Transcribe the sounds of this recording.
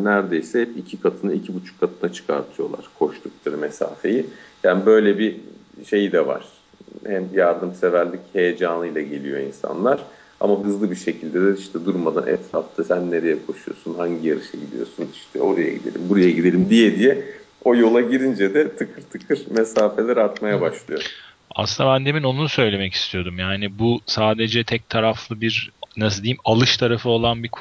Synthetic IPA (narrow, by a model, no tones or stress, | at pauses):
næɾd̪e̞jsɛicʰikʰat̪ʰɯnɯicʰibut͡ʃʰu̥kʰːat̪ʰɯnat͡ʃʰɯ̥kʰa̰ɾt̪ʰɯjo̞lˠa̰ɾ̥kʰo̞ʃt̪ʰuk̚t̪ˠaɾɯmesa̰ːfe̞jijaːnibø̞jlʲɛbiʃe̞jid̪ɛva̰ɾ̥ | hæmjaɾd̪ɯmsevæɾlʲichejed͡ʒaːnˠɯjlˠaɟe̞lʲijo̞insa̰nlˠaɾ̥ | a̰maɦɯzlˠɯbiɾʃe̞cʰilʲd̪ɛd̪ɛiʃt̪ʰɛd̪uɾmad̪anʔɛ̰t̪ʰɾaft̪ʰɯsænːe̞ɾejɛkʰo̞ʃujo̞̰sunɦaɲɟijaɾɯʃɛɟid̪ʲḭjo̞̰suniʃt̪ʰɛ̰o̞ɾaja̰ɟid̪elʲḭmbuɾajaɟid̪e̞lʲimd̪ijɛd̪ijɛ | o̞jo̞lˠaɟiɾind͡ʒɛd̪ɛt̪ʰɯkʰɯɾt̪ʰɯkʰɯɾmesaːfe̞lʲeɾat̪majabaʃlˠɯjo | a̰sɯnd̪abænd̪emino̞nunusø̞jlʲe̞mɛci̥st̪ʰijo̞d̪umjaːnibusaːd̪e̞d͡ʒɛt̪ʰɛc̚t̪ʰaɾaflˠɯbiɾnas̬ɯd̪iːmalˠɯʃt̪ʰaɾafɯo̞lˠanbikʰ